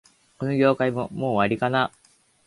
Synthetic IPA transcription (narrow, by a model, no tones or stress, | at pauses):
ko̞noɡʲo̞ːkaimomo̞ːβaɾʲikana